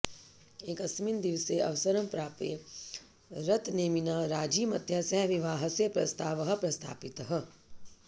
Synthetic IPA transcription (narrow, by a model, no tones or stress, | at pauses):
eːkɐsmind̪iʋseʔɐ̰ʋsɐɾɐmpɾaːpḛː | ɾɐt̪neːminaːɾaːd͡ʒiːmɐd̪ʱjasɐɦʋiʋaːɦɐ̆sepɾɐst̪ʰaːʋɐɦɐ̆pɾɐst̪ʰa̰ːpɪt̪ɐɦɐ̆